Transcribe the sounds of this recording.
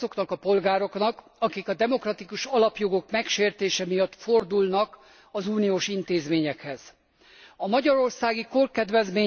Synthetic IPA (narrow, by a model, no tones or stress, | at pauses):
zo̞knɒkɒpo̞lɡaːɾo̞knɒk | ɒkikɒd̪ɛmo̞krɒt̪ikuʃɒlɒpjo̞ɡo̞kmɛkʃeːrt̪eːʃɛmijɒt̪ːfo̞rd̪ulnɒk | ɒzuːnijoːʃint̪eːzmeːɲɛkhɛz̥ | ɒmɒɟɒɾo̞rsaːɡikorkɛd̪ʋɛzmeː